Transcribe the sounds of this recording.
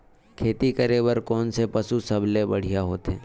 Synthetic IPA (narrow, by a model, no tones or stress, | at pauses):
kʰeːt̪ikɐɾeːbəɾkɔːnsepɐsusɐblebɐɽ̤ijaɦoːt̪ẽː